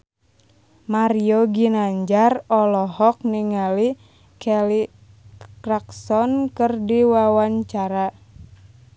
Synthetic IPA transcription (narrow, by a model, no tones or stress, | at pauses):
maɾioɡinaɲd͡ʒarɔlɔɦɔk̚niŋali | kɛli | kɾaksɔnkɨrdiwawaɲt͡ʃaɾa